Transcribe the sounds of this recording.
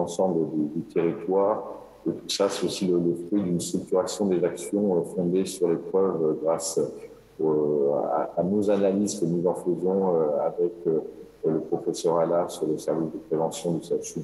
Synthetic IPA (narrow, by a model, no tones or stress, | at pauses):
ɑ̃sɑ̃bləd̪yd̪yt̪eʁit̪waʁ | ət̪u̥sasɛ̥t̪osilələfχɥid̪ynst̪χyk̚t̪yʁasjɔ̃d̪ezaksjɔ̃fɔ̃d̪esyʁlepχœvɡʁas | a̰anozanalizkənuzɑ̃fəzɔ̃øa̰vɛkø | ləpχɔfesœʁalasyʁləsɛʁvisd̪əpχevɑ̃sjɔ̃d̪ysaʃy